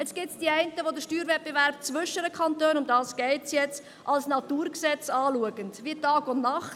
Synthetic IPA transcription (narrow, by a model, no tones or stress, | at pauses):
ɛt͡sɡ̥ɪtsd̥iæɪntəʋod̪əɾʃtyːɾvʋɛt̚b̥evæɾp̚t͡svʏʃəɾəkχɑntøːnʊmdɑːsɡ̥ɛɪsjɛt͡s | ʔɑlsnɑtuːɾksɛt͡sɑːluəɡəndʋiətɑːɡʊndnɑχt